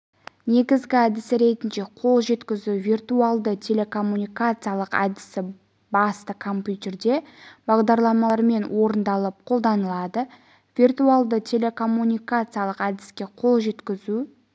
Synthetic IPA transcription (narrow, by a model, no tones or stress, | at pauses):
ne̞ɡʲɪzɡʲɪæd̪ɪsɪɾe̞t̪ɪnʃe̞qʰo̞lˠʒe̞t̪kʲɪzuvʲirt̪ualˠd̪ət̪ʲʰe̞le̞kʰo̞mːunʲijkat̪sɨjalˠəqæ̰d̪ɪ̥sɪ | bɑst̪əkʰo̞mpʲjut̪ʲe̞rd̪e̞bɑʁd̪ɑɾlˠɑmɑɾme̞nwʔo̞ɾənd̪ɑlˠəp̚qʰo̞lˠd̪ɑnəlˠɑd̪ə | v̥ʲirt̪ualˠd̪ət̪ʲʰe̞lʲe̞kʰo̞mːunʲijkat̪sɨjalˠəqæd̪ɪ̥skʲe̞qʰo̞lˠʒe̞t̪kʲɪzu